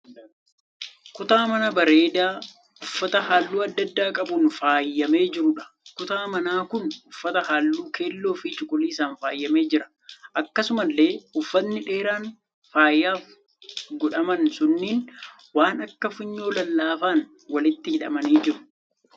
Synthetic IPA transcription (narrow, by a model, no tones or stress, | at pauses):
kʊt̪aːmɐnɐbɐɾe̞ːd̪aː | ʊfːɐt̪ɐhaːlːuːɐd̪ːɐd̪ːaːkʼɐbunfaːjːɐme̞ːd͡ʒɪɾʊᶑɐ̥ | kʊt̪aːmɐnaːkʊnʊfːɐt̪ɐhaːlːuːkʰe̞ːlːo̞ːfɪt͡ʃʼɪkʼʊliːsaːnfaːjːɐme̞ːd͡ʒɪɾɐ̥ | ʔɐkːɐsʊmɐlːe̞ːʊfːɐnːɪᶑe̞ːɾaːn | faːjːaːf | ɡɔᶑɐmɐnsʊnːiːn | waːnɐkːɐfɪɲːo̞ːlɐlːaːfaːn | wɐlɪt̪ːɪhɪᶑɐ̰mɐniːd͡ʒɪɾʊ̥